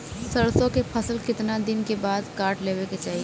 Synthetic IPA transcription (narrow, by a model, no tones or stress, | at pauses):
sɐɽsõkepʰɐsəlkɪt̪nad̪ɪnkebaːd̪kaːɾʈleːweket͡ʃaːɦie